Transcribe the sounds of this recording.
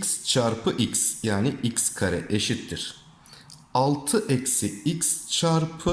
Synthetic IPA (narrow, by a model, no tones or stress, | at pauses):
kst͡ʃʰaɾpʰɯʔiksjaːnɪʔicskʰaɾɛʔeʃit̪ʰːiɾ̥ | alˠt̪ʰɯʔɛcsiicst͡ʃʰaɾpʰɯ